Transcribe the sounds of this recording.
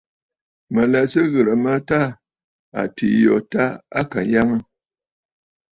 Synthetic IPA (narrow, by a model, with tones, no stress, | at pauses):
mə˨lɛ˨sə˦ɣə˨ɾə˨mə˦ta˦ | a̰˨tʰi˨jɔ˨ta˦a̰˦ka˨ja˦ŋə˦